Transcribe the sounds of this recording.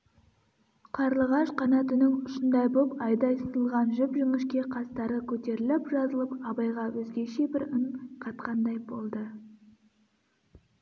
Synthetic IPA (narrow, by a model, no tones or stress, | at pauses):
qʰɑɾlˠəʁɑʃqʰɑnɑt̪ʰʏnɪŋʏʃɪnd̪ɑjbopɑjd̪ɑjst̪əlˠʁɑnʒʏpʒʏmɪʃkʲe̞qʰɑst̪ɑɾəkʲʰɵt̪e̞ɾɪlɪpʒɑzəlˠəpɑbɑjʁɑwɵzɡʲe̞ʃe̞bɪɾəɴqʰɑt̪̚qɑnd̪ɑjbo̞lˠd̪ə